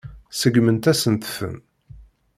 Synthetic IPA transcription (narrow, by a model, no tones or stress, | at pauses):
səɡmənt̪æsənt̪ə̥fə̰n